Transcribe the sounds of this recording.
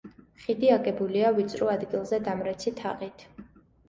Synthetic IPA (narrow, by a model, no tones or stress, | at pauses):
χid̪iaɡɛbuliavit̪sʼɾuad̪ɡilˠzɛd̪amɾɛt̪sʰit̪ʰa̰ʁʼit̪ʰ